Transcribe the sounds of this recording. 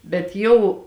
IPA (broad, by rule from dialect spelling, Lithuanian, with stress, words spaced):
bʲɛt ˈjɛʊ